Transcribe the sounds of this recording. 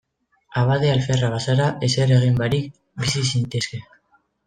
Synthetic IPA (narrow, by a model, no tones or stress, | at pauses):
aβaðealfe̞raβasaɾaʔe̞seɾe̞ɣ̞imbaɾik̚ | bisisinit̪eske̞